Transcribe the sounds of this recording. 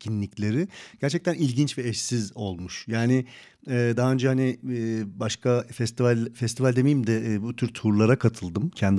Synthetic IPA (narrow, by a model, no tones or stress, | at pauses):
cʰinlʲiclʲeɾɪɟ̥æɾt͡ʃʰɛc̚t̪ʰænilʲɟint͡ʃvɛɛʃsizo̞lˠmuʃjaːnɪ | ɛːd̪aɦaø̞nd͡ʒɛɦhanɪbaʃkʰafɛst̪ʰivalʲfɛst̪ʰivalʲd̪emejimd̪ɛbut̪ʰyɾt̪ʰuɾlˠaɾakʰat̪ʰɯlˠd̪ɯmcʰɛnd̪